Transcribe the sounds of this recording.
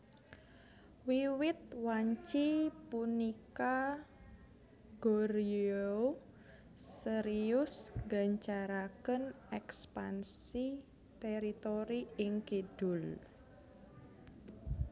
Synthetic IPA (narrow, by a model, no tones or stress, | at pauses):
wiwɪt̪̚waɲt͡ʃipunika | ɡoɾo | səɾiʊsŋɡaɲt͡ʃaɾakən | ɛkspansi | t̪ɛɾit̪oɾiɪŋkid̥ʊl